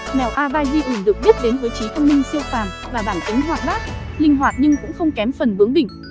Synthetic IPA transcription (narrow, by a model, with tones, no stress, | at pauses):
mɛ˨˩wʔaː˧vaː˧jzi˧ʔɨ˧˩ɗɨ̰˨k̚ɓi˦˥t̚ɗe˨˦nvɨː˨˦t͡ɕi˨˦t̪ʰə˧wŋ͡mmï˧ŋ̟si˧əwfaː˨˩m | vaː˨˩ɓaː˧˩nkï˨˦ŋ̟ɦwaː˨˩t̚ɓaː˦˥t̚lï˧ŋ̟ɦwaː˨˩t̚ɲɨ˧ŋkʊ̰˧˥ŋ͡mxə˧wŋ͡mkɛ˨˦mfə˨˩nvɨ˨˦əŋɗï˧˩ŋ̟